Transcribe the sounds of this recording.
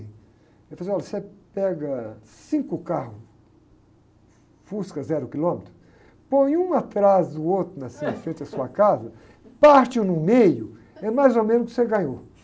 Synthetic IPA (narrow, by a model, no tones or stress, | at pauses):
ɛfazeɔlɐsepɛɡɐsĩŋkʊkahʊ | fuskɐzɛɾʊkilõmet̪ɾʊ | põj̃ũat̪ɾazd̪ʊowt̪ɾʊnɐsĩfɾẽnt̪ɪd̪ɐsuɐkazɐ | paɾt͡ʃ̪ɪʊnʊmejʊ | ɛmajzomẽnʊkɪ̥seɡɐ̃ɲo